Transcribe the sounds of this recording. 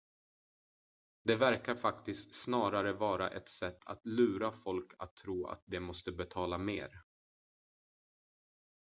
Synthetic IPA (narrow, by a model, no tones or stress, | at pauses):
d̪ɛvæɾkaɾfakt̪ɪst̪snɑːɾaɾəvɑːɾaʔɛt̪sɛt̪ːʰa̰t̪lʉ̟ːɾafɔlkʰa̰t̪ʰːɾuːa̰t̪̚d̪ɛmɔst̪əbɛt̪ʰɑːlameːɾ